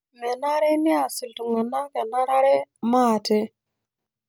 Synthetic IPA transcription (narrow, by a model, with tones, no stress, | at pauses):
me˨na˦ɾe˦ni˦a˨si˨ltu˨ŋa˨na˦ke˨na˦ɾa˦ɾe˦ma˦˨te˦